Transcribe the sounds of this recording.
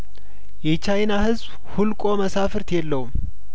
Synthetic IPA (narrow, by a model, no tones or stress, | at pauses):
jɛt͡ʃajnahɨzb | hulkʼo̞məsafɨɾt̪jɛlːəhum